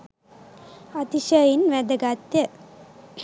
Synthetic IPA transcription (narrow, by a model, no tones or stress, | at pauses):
ɐt̪iɕəjinʋed̪ɐɡat̪jɐ